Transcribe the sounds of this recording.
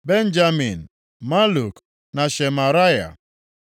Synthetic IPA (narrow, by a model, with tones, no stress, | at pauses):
be˦n̩˦d͡ʒa˦mi˨n̩˨ | ma˦lu˨k | na˨ʃe˨ma˨ɾa˦ja̰˨